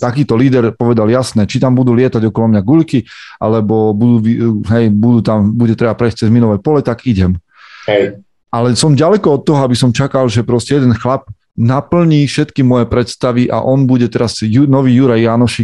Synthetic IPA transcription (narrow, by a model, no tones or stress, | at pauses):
t̪akiːt̪ɔliːd̪ɛɾpɔʋɛd̪aljasnɛt͡ʃit̪ambud̪uːlɪɛt̪aɟɔkɔlɔmɲaɡuʎkiʔa̰lɛbɔbud̪uːʋiɦɛjbud̪uːt̪ambuɟɛt̪ɾɛbapɾɛjs̚t͡sɛzminɔʋɛjpɔlɛt̪aɡiɟɛm | ɛ | ʔalɛsɔmɟalɛkɔɔt̪ːɔɦɔabisɔmt͡ʃakalʒɛpɾɔscɛjɛd̪ɛnxlap̚ | napl̩ɲiːfʃɛt̪kimɔjɛpɾɛt̪st̪aʋiʔa̰ʔɔnbuɟɛt̪ɛɾazjunɔʋiːjuɾajːanɔʃik